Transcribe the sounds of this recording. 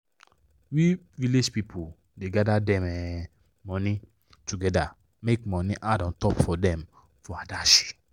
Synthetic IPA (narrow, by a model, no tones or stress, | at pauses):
wi | viled͡ʒpipʰo | deɡadadɛ̃mɛ | mɔ̃ni | tuɡɛda | mekmɔ̃niʔadɔ̃ntɔpfɔdɛ̃m | fɔadaʃi̥